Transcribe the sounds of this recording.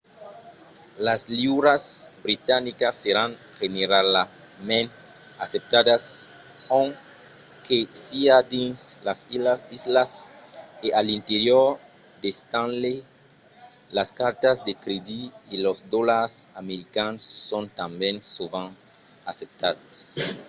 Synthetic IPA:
lasliuɾasbɾit̪anikasːeɾãŋ | xeneɾala | mẽn | asep̚t̪ad̪as | õŋ | kesiad̪ĩnslasilasd̪izlas | ealĩnt̪eɾjoɾ | d̪est̪ãnle | laskaɾt̪azd̪ekɾed̪iːlozd̪olaɾsameɾikansːõnt̪ãmbẽnsovãn | asep̚t̪ad̪as

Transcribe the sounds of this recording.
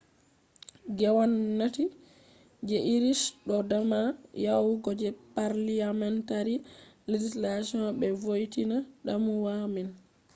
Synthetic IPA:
ɡɛwanːati | d͡ʒɛʔiɾisɗɔdamajawɡɔd͡ʒɛpaɾliamɛntaɾiled͡ʒislasiɔnbɛvojtinaɗamuwamin

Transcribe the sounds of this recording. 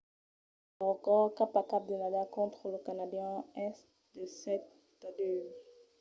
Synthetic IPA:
akɔʁkapakap̚d̪ənadakɔ̃t̪χələkanad̪jɛ̃ɛst | d̪əsɛt̪ | ad̪ø

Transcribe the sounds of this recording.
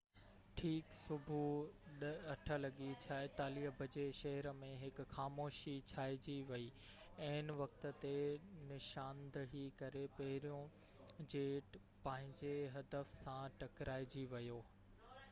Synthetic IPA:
ʈʰiːksʊbʱuɗəɐʈʰə̆lɐɠit͡ɕʰaːet̪aːliːəbʱɐd͡ʑeʃɐɦəɾəmẽɦɪkxaːmoːʃit͡ɕʰaːɪd͡ʑiʋɐi | ɐɦɪnʋɐk̚t̪ə̆t̪enɪʃaːnd̪əɽikɐɾepɐɦɪɾijõ | d͡ʑeːʈ | pɐ̃ɦɪ̃ɲd͡ʑeɦɐd̪əfsãʈɐkɾaːɪd͡ʑiʋɐjoː

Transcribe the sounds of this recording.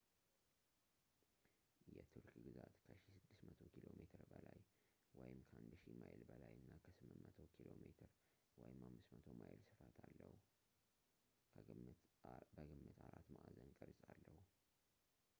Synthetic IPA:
jɛt̪ʰɨɾkʼɡɨzat̪kʰəʃisɨd̪ːɨsmət̪ʰo̞kʰilo̞met̪ʰɨɾbəlaj | wɔjɪmkʰəhand̪ʃimajlbəlajʔɨnːakʰəsɨmːɨnmət̪ʰokʰilomet̪ʰɨɾ | wɔjɪmamːɨsmət̪ʰo̞majlsɨfat̪ʰalːəhu | ɡɨmːɨt̪ʰaɾat̪maʔazənkʼəɾsʼalːəhu

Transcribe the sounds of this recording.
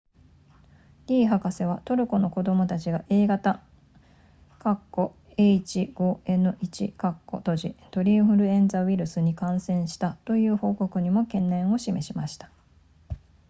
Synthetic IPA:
ɾʲiːɦakase̞β̞at̪o̞ɾɯ̟ko̞no̞ko̞d̪o̞mo̞t̪at͡ɕiɡaʔe̞ːɡat̪a | kakːo̞ | eit͡ɕiɡ̥o̞ːe̞nɯ̟ʔit͡ɕḭkakːo̞̰t̪o̞ʑit̪o̞ɾʲĩɰ̃ɸɯ̟ɾɯ̟ẽ̞nd͡zaβiɾɯ̟sɨɲ̟ikãɰ̃sẽ̞ɰ̃ɕi̥t̪at̪o̞jɯ̟ːho̞ːko̞kɯ̟ɲ̟imo̞kẽ̞nːẽ̞ɰ̃o̞ɕime̞ɕimaɕi̥t̪ḁ

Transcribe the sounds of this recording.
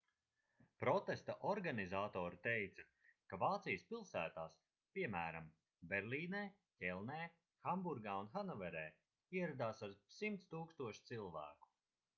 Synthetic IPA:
pɾɔt̪est̪aʔɔɾɡanizaːt̪ɔːɾit̪ejt̪sɐ | kavaːt̪sijəspilˠsæːt̪aːs | pʲiɛmæːɾam | bɛɾlʲiːneː | cʲɛlˠneː | xambuɾɡaːunxanɔvɛɾɛː | iɛɾad̪aːsaɾsimt̪st̪uːkst̪uɔʃt̪silˠvæ̰ːku̥

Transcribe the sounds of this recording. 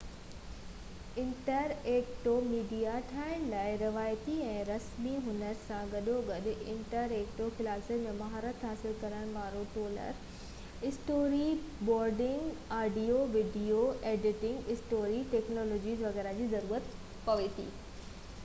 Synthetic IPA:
ɪ̃ɳʈəɾeːkʈomiːɖijaʈʰaːɪɽ̃ɪlaːɪɾɪʋaːjt̪iɛ̃ːɾɐsmiɦʊnəɾsãɡɐɗoɡɐɗʊʔɪ̃ɳʈəɾeːkʈoxɪlaːsəmẽmɐɦaːɾət̪ɦaːsɪlkɐɾəɽ̃̆ʋaːɾoʈoːlə̰ɾ | ɪsʈoːɾi | bɔːɾɖɪ̃ŋɡaːɖioʋɪɖioeːɖɪʈɪ̃ŋɡɪsʈoːɾiʈeːknɔːloːd͡ʑiːzʋɐɣɛːɾad͡ʑiːzɐɾuːɾət̪ | pɐʋet̪ʰḭː

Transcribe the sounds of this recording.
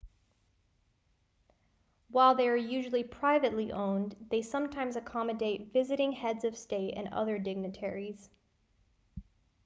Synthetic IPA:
waɪlˠðeɪə˞jʉʒl̩ˠipʰɹ̥aɪvɨtˡliʔõʊ̃nðeɪsʌ̃mtʰãɪ̃mzɨkʰɑmɨdeɪtvɪzɨɾɪ̃ŋhɛdzʌv̥steɪɾɨ̰̃nʌ̰ðə˞dɪɡ̚nɨtʰɛɹiz̥

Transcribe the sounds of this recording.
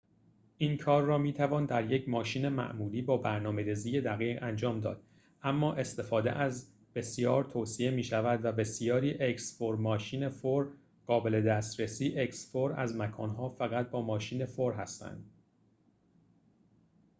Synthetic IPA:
ʔiːnkʰɒːrːɒːmiːt̪ʰævɒːnd̪æɾjecʰmɒːʃiːne̞mæ̰ʔmuːliːbɒːbæɾnɒːme̞ɾiːziːje̞d̪æɣiːɣænd͡ʒɒːmd̪ɒːd̪̥ | ʔæmːɒːʔe̞st̪e̞fɒːd̪ḛʔæz | b̥e̞sjɒːɾt̪ʰoːsiemiːʃævæd̪væbe̞sijɒːɾiːʔeksfoɾmɒːʃiːne̞foɾ | ɢɒːbe̞le̞d̪æːst̪ɾesiːʔeksfoɾæ̰zmækʰɒːnɦɒːfæɣæt̪̚bɒːmɒːʃiːne̞foɾɦæst̪æ̰nd̪̥

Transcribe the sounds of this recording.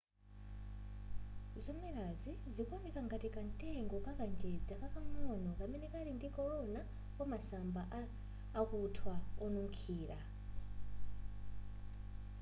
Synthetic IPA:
zɔmɛɾazizikɔnikaŋɡatikantʼɛŋɡɔkakand͡ʒɛd͡zakakamɔnɔkamɛnɛkaɾindikɔɾɔna | pɔmasambaʔː | kutʰwaɔnuŋkʰiːɾa

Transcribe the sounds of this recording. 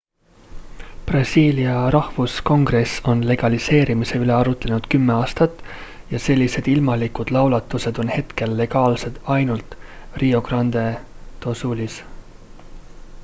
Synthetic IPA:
b̥rɑsʲiːliɑɾɑhvusko̞ŋɡre̞so̞nle̞ɡ̥ɑlise̞ːɾimise̞yle̞ɑɾut̪ːˑlenud̪̥kymːe̞ɑːst̪ɑt̪ːˑ | jɑse̞lʲːise̞d̪̥ilmɑlikud̪̥lɑwlɑt̪ːˑuse̞d̪̥o̞nhe̞t̪ke̞lːe̞ɡ̥ɑːlse̞d̪̥ɑjnult̪ˑ | rio̞ɡ̥rɑnd̪̥e̞ | t̪o̞sulis

